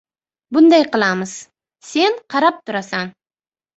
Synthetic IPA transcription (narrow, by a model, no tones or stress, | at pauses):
bʊnd̪ajqɨlˠamɪz̥ | se̞nqʰɑɾap̚t̪ʰʊɾasan